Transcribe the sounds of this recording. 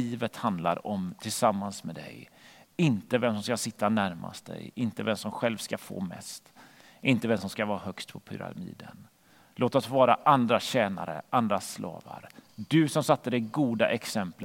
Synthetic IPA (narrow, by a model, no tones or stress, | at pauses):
iːvət̪hand̪la̰ɾɔmt̪ʰɪlsamːansmɛd̪ɛ̰jɪnt̪əvɛmsɔms̬kasɪt̪ːanæɾmʔa̰st̪̚d̪ɛ̰jɪnt̪əvɛmsɔmɧɛlvskafo̰ːmɛ̰st̪ | ʔɪnt̪əvɛmsɔmskavɑːɾahœkst̪pʰɔpʰɵ̰ɾa̰mḭːd̪ən | lʔoːt̪at̪vɑːɾaʔand̪ɾaɕɛːna̰ɾə̰ʔand̪ɾaslɑ̰ːvaɾd̪ɵsɔmsat̪ːəd̪ɛɡuːd̪a̰ʔɛksɛmplə